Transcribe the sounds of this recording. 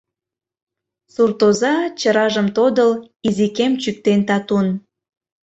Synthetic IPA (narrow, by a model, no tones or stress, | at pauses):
surt̪ozɑt͡ɕəɾɑʒəmt̪od̪əl | izikemt͡ɕyk̚t̪ent̪ɑt̪un